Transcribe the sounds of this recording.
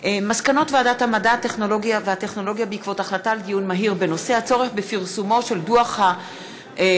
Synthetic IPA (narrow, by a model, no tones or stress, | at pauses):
ʔemaskano̞tveadathamadate̞χno̞lo̞ɡiaveate̞χno̞lo̞ɡijabeikvo̞taχlataldijunmaɦiʁbe̞no̞se̞hat͡so̞ʁeχbefiʁsumo̞ʃe̞lduaχha